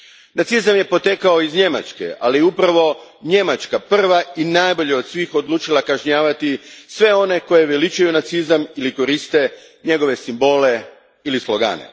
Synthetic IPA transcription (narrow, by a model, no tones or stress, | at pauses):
nat̪sizamje̞po̞t̪ekao̞izɲe̞ma̰t͡ʃke̞̰ʔalijeupɾaʋo̞ɲe̞mat͡ʃkapr̩ʋainaːjbo̞ʎeo̞d̪sʋiːxo̞d̪luːt͡ʃilˠakaʒɲaːʋat̪isʋe̞o̞ne̞ko̞je̞ʋilit͡ʃajunat̪sizamiliko̞ɾiːst̪e̞ | ɲe̞ɡo̞ʋe̞simbo̞ːle̞ | ilislo̞ɡa̰ːnḛ